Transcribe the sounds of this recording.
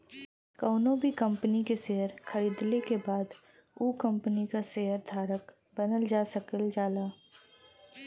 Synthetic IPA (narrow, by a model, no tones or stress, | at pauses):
kɔːnõbʱikɐ̃mpənikeseːɦəɾxʰəɾiːd̪lekebaːd̪ | uːkə̃mpənikaseɦəɾd̪ʱaːɾək | b̥ənəld͡ʒaːsəkəld͡ʒaːlaː